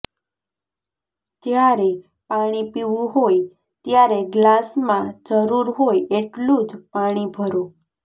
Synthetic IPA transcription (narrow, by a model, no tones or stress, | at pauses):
d͡ʒjaɾe | paɽ̃ipiʋũɦoj | t̪jaɾeɡlasmãd͡ʒəɾuɾɦojeʈlũd͡ʒpaɽ̃ibʱəɾo